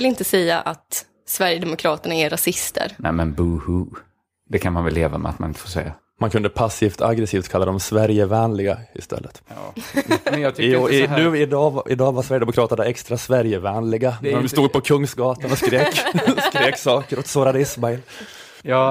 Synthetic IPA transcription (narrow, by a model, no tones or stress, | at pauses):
lɪnt̪əsɛjːa̰ʔat̪ | svæɾjəd̪ɛmʊkʰɾɑːt̪əɳaɛɾasɪst̪ə̰ɾnɛ̰mɛnbuhu | d̪ɛkʰanmanvɛlːḛːva̰mɛ̰at̪̚manɪnt̪əfoːʂɛ̰jːa | mankʰɵnd̪əpʰasift̪ʰaɡɾɛsiːft̪kʰalːad̪ɔmsvæɾjəvɛːnlɪɡaɪ̰st̪ʰɛ̰lːə̰t̪ː | j̪ʰɪnʉ̟ːɪd̪ɑːvʔɪ̰d̪ɑːvaɾsvæɾjəd̪ɛmʊkʰɾɑːt̪ənaɛkst̪ɾasvæɾjəvɛːnlɪɡanst̪uːɡ̚pʰɔkʰɵŋːsɡɑːt̪anɔskɾeːkskɾeːksɑːkəɾɔt̪soːɾad̪əɪsmaɛl | j